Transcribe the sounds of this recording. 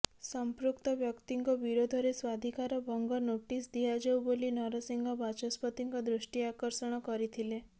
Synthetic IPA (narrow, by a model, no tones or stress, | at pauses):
sɔmpɾukt̪ɔbjɔkt̪iŋkɔbiɾod̪ʱɔɾeswad̪ʱikaɾɔbʱɔŋɡɔnoʈisd̪iɦad͡ʒewbolinɔɾɔsiŋɡʱɔbat͡ʃɔspɔt̪iŋkɔd̪ɾuʃʈiakɔɾsɔɽ̃ɔkɔɾit̪ʰile